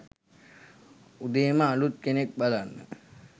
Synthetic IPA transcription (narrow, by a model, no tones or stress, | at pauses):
ud̪eməalut̪̚kenek̚balanːə̰